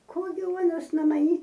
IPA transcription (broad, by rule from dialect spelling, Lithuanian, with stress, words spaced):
ˈkoː ɡʲɪ ˈuɔnɐs noː mɐˈnʲiː